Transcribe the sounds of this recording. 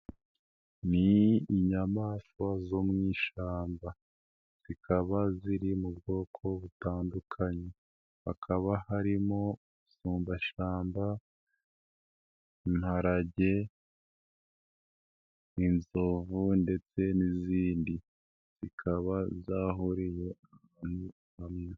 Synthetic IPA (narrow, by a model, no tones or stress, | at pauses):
niːɲamaːswazomŋiːʃaːmba | z̥ikʰaβaziɾimubɡo̞ːkʰo̞βutaːndukʰaɲe | akʰaβahaɾimo̞ | suːmbaʃaːmba | inhaɾaɟe̞ | inzo̞vunde̞t͡se̞niziːndi | z̥ikʰaβazaːɦuɾije̞ | anu | amɲe